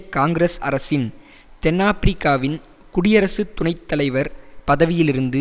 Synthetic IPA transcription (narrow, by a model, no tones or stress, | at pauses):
kaːŋɡɾɐsɐ̰ɾɐsɪn | t̪ɛnːaːpɪɾɪkːaːʋɪn | kʊɽɪjɐɾɐsɯt̪ːʊɳɐɪt̪ːɐlɐɪʋɐɾpɐðɐʋɪjɪlɪɾɯnd̪ɯ